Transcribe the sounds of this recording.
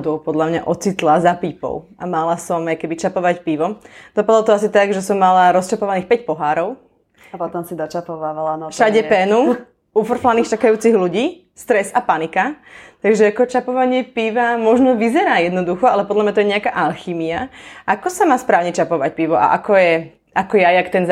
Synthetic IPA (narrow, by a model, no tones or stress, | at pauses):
d̪ɔʊpɔd̪lamɲa̰ʔɔt͡sit̪lazapiːpɔ̰ʊʔamalasɔmajkɛbit͡ʃapɔʋacpiːʋɔd̪̥ɔpad̪lɔt̪ɔas̬it̪aɡʒɛsɔmːalaɾɔst͡ʃapɔʋaniːxpɛcpɔɦaːɾɔʊ | apɔt̪ɔmsid̪ɔt͡ʃapɔʋaːʋalanɔʃaɟɛpɛːnu | ufr̩flaniːxt͡ʃakajuːt͡siɣluɟiː | st̪ɾɛzapanikat̪aɡʒɛakɔt͡ʃapɔʋaɲɪɛpiʋamɔʒnɔʋizɛɾaːjɛd̪nɔd̪uxɔalɛpɔd̪lamɲat̪ɔjɛɲɛakaʔalxiːmiaʔakɔsamaːspɾaːʊɲɛt͡ʃapɔʋac̚piʋɔʔa̰ʔakɔjɛ | ʔakɔjajakt̪ɛn